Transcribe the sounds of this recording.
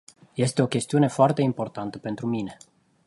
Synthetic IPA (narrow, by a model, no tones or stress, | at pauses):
je̞st̪e̞o̞kʲe̞st̪iune̞foart̪e̞impo̞rt̪ant̪əpe̞nt̪ɾumine̞